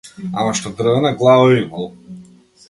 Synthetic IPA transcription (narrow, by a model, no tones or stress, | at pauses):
a̰maʃt̪ɔd̪r̩vɛnaɡlˠavɔimalˠ